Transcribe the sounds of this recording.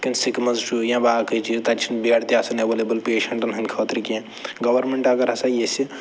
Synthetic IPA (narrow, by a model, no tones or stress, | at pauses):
kinsikmɐzt͡ʃʰujãbakət͡ʃʰit̪at͡ʃʰinbeɽt̪jasɐneʋelebɐlpeːʃɐɳʈɐnɦɐnʲkʰət̪ɾikẽ | ɡɐʋɐɾmeɳʈɐɡɐɾɦɐsajesi